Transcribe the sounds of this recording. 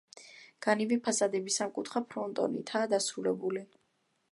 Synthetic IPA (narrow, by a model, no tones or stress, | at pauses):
ɡ̥anivipʰasad̪ɛbisamkʼut̪ʰχapʰɾɔnt̪ʼɔ̰nḭt̪ʰaːd̪asɾulɛbuli